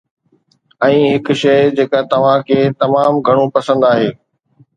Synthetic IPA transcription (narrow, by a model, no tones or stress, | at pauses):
ɛ̃ːɦɪkʃɐɪd͡ʑeːkat̪ɐʋ̤ãkʰeːt̪ɐmaːmɡʱɐɽ̃õpɐsə̃nd̪aːɦeː